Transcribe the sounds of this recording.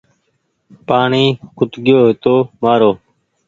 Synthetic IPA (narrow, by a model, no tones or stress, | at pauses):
paːɳiːkʊt̪ɠɪjoːɦɪt̪oːmaːɾoː